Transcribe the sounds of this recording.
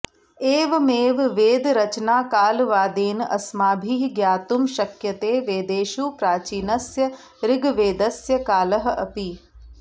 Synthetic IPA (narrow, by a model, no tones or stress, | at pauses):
eːʋmeːʋʋeːd̪ɾɐt͡ʃnaːkaːlʋaːd̪eːnɐ̰smaːbʱiːɦɡjaːt̪umʃɐkjɐt̪eːʋeːd̪eːʃuːpɾaːt͡ʃiːnɐsjɐ | ɾɪɡʋeːd̪ɐsjɐkaːlɐɦɐ̆ʔɐpi